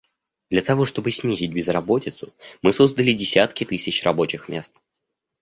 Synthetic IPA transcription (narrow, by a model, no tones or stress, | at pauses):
d̪̥lʲət̪ɐvo̞ʂt̪o̞bɨsʲnʲizʲɪt̚ʲbʲɪzrɐbo̞tʲɪt̪sʊmɨso̞zd̪əlʲɪdʲɪsʲat̪kʲɪt̪ɨsʲɪt͡ɕrɐbo̞t͡ɕɪxmʲe̞st̪̚